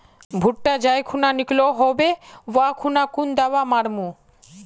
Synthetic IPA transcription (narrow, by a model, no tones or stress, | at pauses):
bʱuʈʈad͡ʑajkʰunanikloɦɔbeʋakʰunakund̪awamaɾmu